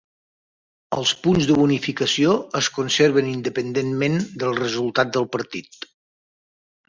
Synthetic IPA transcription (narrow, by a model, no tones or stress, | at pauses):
ə̰lˠspunzðəβunifikəsioəskunseɾβənind̪əpənd̪enmend̪əlˠrəzulˠt̪at̪̚d̪əlˠpəɾt̪it̪